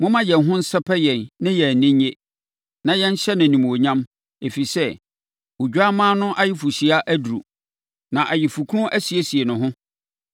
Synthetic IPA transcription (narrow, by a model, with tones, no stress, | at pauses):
mʊ̃˦mã˦jɛ˨nɦʊ̃˦n̩˦sɛ˦pʰɛ˦jɛ̃˨nnɪ̃˦jɛ˨nɪ̃˦ɲɲe˦ | nã˨jɛ̃˦ɲ̩˦ɕɛ˦nɪ̃˨nĩ˨m˨o˨ɲã˦m | e˨fi˨sɛ˦ | u˨d͡ʑᶣa˦mãː˦nʊ̃˦ʔa˦jɪ˦fu˨ɕi˨a˦ʔæ˦du˨ɾṵ˨ | nã˨ʔa˨jɪ˨fu˨kʰʊ̃˦ʔæ˦si˨e˦si˨e˨nʊ̃˨ɦʊ̃˦